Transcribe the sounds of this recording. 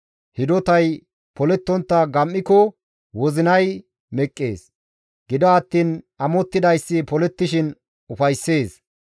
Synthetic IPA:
hɪd̪ɔt̪ɐj | pɔlɛt̪ːɔnt̪ːɐɡɐmːɪkɔ | wɔzɪnɐj | mɛkʼːḛːs | ɡ̥ɪd̪ɔɐt̪ːiːn | ɐmɔt̪ːɪd̪ɐjsːɪpɔlɛt̪ːɪʃɪn | ʊfɐjsːe̞ːs

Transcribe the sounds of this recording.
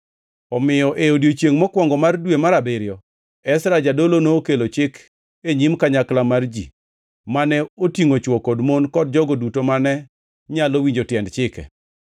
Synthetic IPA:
ɔmɪjɔʔejodjot͡ʃjeŋmɔkwɔŋɡɔmardwemaɾabeɾjɔ | ɛsɾad͡ʒadolonoːkelot͡ʃɪk | eɲimkaɲaklamard͡ʒḭ | manɛotiŋot͡ʃwɔkodmonkɔd̚d͡ʒɔɡodutomanɛ | ɲalowiɲd͡ʒotjɛndt͡ʃɪkɛ̰

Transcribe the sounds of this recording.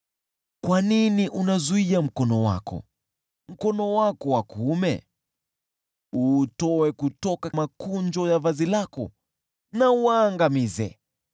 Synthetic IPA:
kwaniniʔunazuiam̩kɔnɔwa̰kɔ̰ | m̩kɔnɔwakɔwakumɛ̰ | utɔwɛkutɔkamakuɲd͡ʒɔjavazilakɔ̰ | nawaːŋɡamizɛ̰

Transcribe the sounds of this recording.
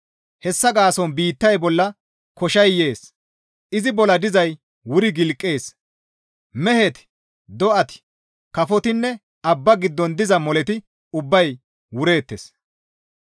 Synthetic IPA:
hɛsːɐɡaːsɔnbiːt̪ːɐjbɔlːɐ | kɔʃɐjːe̞ːs | ʔɪzɪbɔlɐd̪ɪzɐj | wʊɾɪɡɪlkʼːe̞ːs | mɛhɛt̪ɪ̥ | d̪ɔʔɐt̪ɪ̥ | kɐfɔt̪ɪnːɛ | ɐbːɐɡɪd̪ːɔnd̪ɪzɐmɔlɛt̪ɪ | ʊbːɐj | wʊɾe̞ːt̪ːḛs

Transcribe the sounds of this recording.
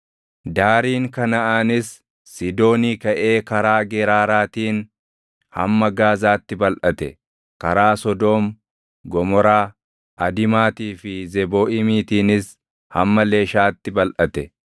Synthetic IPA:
d̪aːɾiːŋkɐnɐʔanɪsː | ɪd̪o̞ːniːkɐʔe̞ːkɐɾaːɡɛɾaːɾaːt̪iːn | hɐ̰mːɐɡaːzaːt̪ːɪbɐlʔɐt̪ɛ | kɐɾaːsɔd̪oːm | ɡɔmɔɾaː | ʔɐd̪ɪmaːt̪iːfɪzɛboːʔɪmiːt̪iːnɪs | hɐmːɐle̞ːʃaːt̪ːɪbɐlʔɐt̪ɛ

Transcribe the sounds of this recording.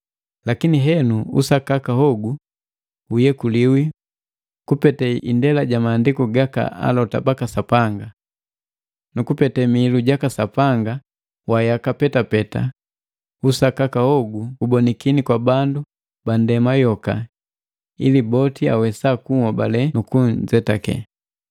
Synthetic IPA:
lakiniɦɛnuṵsakakahɔɡu | ujɛkuliwi | kupɛtɛḭndɛlaɟamaːndikuɡaka̰a̰lɔta̰bakasapaŋɡa | nukupɛtɛmiluɟakasapaŋɡa | wajakapɛtapɛta̰ | usakakahɔɡuubɔnikinikwabandu | bandɛmajɔka̰ | ḭlibɔtia̰wɛsakuŋɔbalɛnukun̩d͡ʒɛtakɛ̰

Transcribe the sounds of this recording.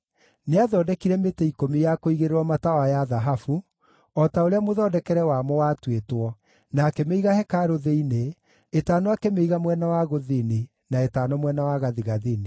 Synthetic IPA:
neaðɔdɛkiɾɛmetɛikomijakoiɣeɾeɾwɔmatawajaðaɦafu | ɔtaoɾeamoðɔdɛkɛɾɛwamɔwatwetwɔ | nakɛmeiɣahɛkaɾoðeineː | taːnoakɛmeiɣamwɛnawaɣoðine | naetaːnɔmwɛnawaɣaðiɣaðene

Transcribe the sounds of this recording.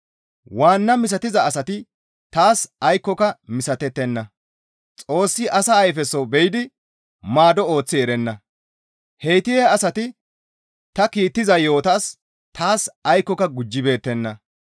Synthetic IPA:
waːnːɐmɪs̬ɐt̪ɪzɐːsɐt̪ɪ | t̪aːsɐjkːɔkɐmɪsɐt̪ːɛt̪ːɛnːɐ | t͡sʼo̞ːsːɪʔɐsɐːjfɛsːɔbɛjɪd̪ɪ | maːd̪ɔo̞ːt͡sːɪɛɾɛnːɐ | hɛjt̪ɪjɛɐsɐt̪ɪ | t̪ɐkiːt̪ːɪzɐjo̞ːt̪aːs | t̪ʰaːsɐjkːɔkɐɡʊd͡ʒːɪbe̞ːt̪ːɛnːɐ

